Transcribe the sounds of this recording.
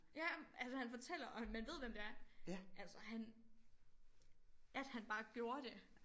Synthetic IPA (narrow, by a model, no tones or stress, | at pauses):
jæʔælsəhænfɒ̽t͡sʰel̰ɐʔɒ̽mænʋe̝ð̞̰ˠʋemd̥e̝æɐʔælsəɦæn | ʔæd̥hænb̥ɑ̈ːɡ̥jo̝ːɐd̥e̝